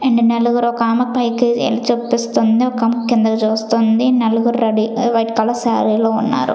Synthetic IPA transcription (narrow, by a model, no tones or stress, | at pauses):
eɳɖineluɡuɾɔkaːmɐpɐjkiḛlɐt͡ʃepːist̪und̪iɔkɐmukːjɐnd̪ɐkɐt͡ʃuːst̪ond̪inɐluɡuɾɾɐɖiʋɐjʈkɐlɐsaːɾiloːunːa̰ːɾṵ